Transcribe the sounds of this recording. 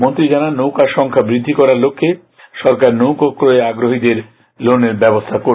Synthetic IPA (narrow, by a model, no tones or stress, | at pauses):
mont̪ɾid͡ʑananowkaɾʃɔŋkʰabɾid̪ʱːikɔɾaɾlokʰːe | ʃɔɾkaɾnowkokɾoeaɡɾoɦid̪eɾ | loneɾbɛbost̪ʰako